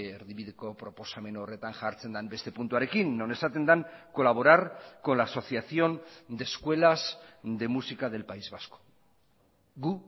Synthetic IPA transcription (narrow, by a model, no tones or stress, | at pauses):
eɾðiβiðekopɾo̞po̞same̞noore̞t̪aŋʝaɾt͡se̞nd̪ambe̞st̪e̞punt̪uaɾe̞kinːo̞ne̞sat̪e̞nd̪aŋko̞laβ̞o̞ɾaɾko̞nlaːso̞θjaθjo̞nd̪e̞skwe̞lazd̪e̞musikað̞e̞lpaizβasko̥ | ɣu